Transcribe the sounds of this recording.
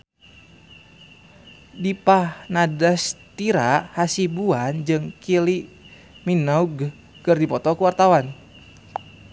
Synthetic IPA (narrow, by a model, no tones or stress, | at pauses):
dipahnadast̪iɾahasibuand͡ʒɨŋkili | minauɡ | kɨrdipɔt̪ɔkuwart̪awan